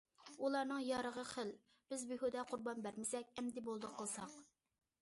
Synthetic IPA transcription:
ulˠɑnɨŋjɑɾəʁəχəl | b̥ɪzbyɦud̪ɛqʰʊɾbɑnbæɾmɪsɛk̚ʲɛmd̪ɪbolˠd̪əqʰəlˠsɑq

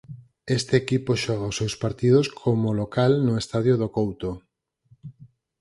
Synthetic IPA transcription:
est̪eːkipoʃɔɣaʊsːewspaɾt̪iðʊskʰomolokalnʊest̪aðjoðokowt̪o

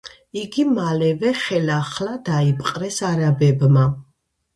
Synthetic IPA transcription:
iɡimalɛvɛχɛlaχlad̪aipʼqʼɾɛsaɾabɛbma

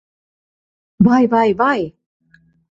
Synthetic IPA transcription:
vajvajvaj

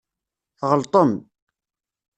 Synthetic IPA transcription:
θʁəlt̪ˤom

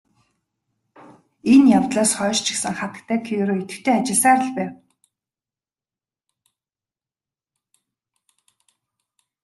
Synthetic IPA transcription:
enjawt̪ɮaːsχɔːʃt͡ɕʰɪ̥̆ksə̆ŋχat̪ə̥̆kt̪ʰæːkʰiɾoːit̪ɘ̆kt̪ʰeːat͡ɕɪ̆ɮsaːɾə̆ɮpæːw

